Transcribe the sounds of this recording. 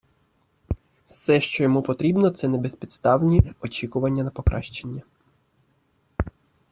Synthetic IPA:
wsɛʃt͡ʃɔjɔmupɔt̪ɾʲibnɔt̪sɛnɛbespʲit̪st̪ɑwnʲiɔt͡ʃikʊʋɐnʲːɐnɐpɔkɾʔɑ̰ʃt͡ʃenʲːɐ

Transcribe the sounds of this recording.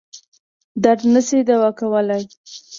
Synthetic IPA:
d̪aɾd̪nəsed̪awakawəlaj

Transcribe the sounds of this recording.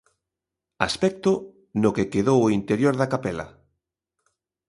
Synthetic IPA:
a̰spɛk̚t̪ʊ | nokekeðowoint̪eɾjoɾðakapɛlɐ̰

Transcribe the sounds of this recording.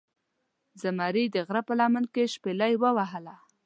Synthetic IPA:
zamɑɾid̪əɣɾapəlɑmənkeʃpelajwəwaɦəla

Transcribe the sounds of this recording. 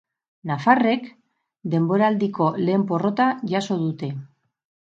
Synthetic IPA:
nafare̞k | d̪e̞mbo̞ɾaːld̪iko̞le̞ːmpo̞ro̞t̪aʝaso̞ðut̪e̞

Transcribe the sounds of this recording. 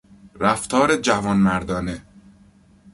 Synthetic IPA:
ɾæft̪ʰɒːɾe̞d͡ʒævɒːnmæɾd̪ɒːne̞

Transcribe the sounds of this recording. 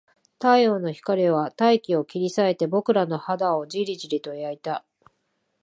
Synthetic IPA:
t̪aio̞ːno̞çi̥kaɾʲiβat̪aikʲio̞kʲiɾʲisae̞t̪e̞bo̞kɯ̟ɾano̞had̪ao̞d͡ʑiɾʲiʑiɾʲit̪o̞iait̪a

